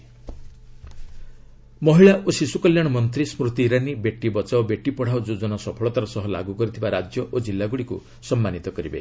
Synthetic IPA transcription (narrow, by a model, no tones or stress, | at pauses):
mɔɦiɭaʔosisukɔljaɽ̃ɔmɔnt̪ɾismɾut̪iːɾanibeʈːibɔt͡ʃaobeʈːipɔɽ̤awd͡ʒod͡ʒɔnasɔpʰɔɭɔt̪aɾɔsɔɦɔla̰ɡukɔɾit̪ʰibaɾad͡ʒjɔʔod͡ʒilːaɡuɽikṵ | sɔmːanit̪ɔkɔɾibḛ